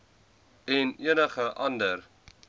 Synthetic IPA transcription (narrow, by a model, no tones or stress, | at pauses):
ɛniənəχəʔɐndəɾ